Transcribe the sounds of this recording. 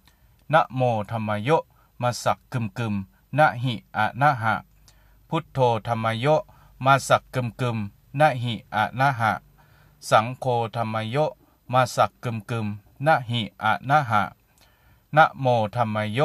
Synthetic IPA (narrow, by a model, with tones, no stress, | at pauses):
na˧˥ʔmoː˧˩t̪ʰa˧mːa˧jo˦˥ʔ | maː˧sa˨˩kːɯ˧˨mkɯ˧˨m | na˧˥ʔɦi˧˩ʔa̰˨˧˩na˧˥˨ɦa̰˧˩˨ʔ | pʰu˧˦t̪ʰːoː˧t̪ʰa˧mːa˧jo˦˥ʔ | maː˧sa˨˧kːɯ˧˨mkɯ˧˨m | na˧˥ɦi˧˨ʔa̰˨˩na˧˥˨ɦa̰˧˨ʔ | sa˩˦ŋkʰoː˧t̪ʰa˧mːa˧jo˦˥ʔ | maː˧sa˨˧˩kːɯ˧˨mkɯ˧˩m | na˧˥˨ʔɦi˧˩ʔa̰˨˩naː˧˥˨ɦa̰˧˩ʔ | na˧ʔmoː˧t̪ʰa˧mːa˧jo˦